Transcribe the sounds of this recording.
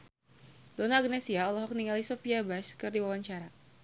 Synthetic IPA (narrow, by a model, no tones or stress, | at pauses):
donaɡnɛsiaɔlɔɦɔk̚niŋalisɔpiabaskɨrdiwawaɲt͡ʃaɾa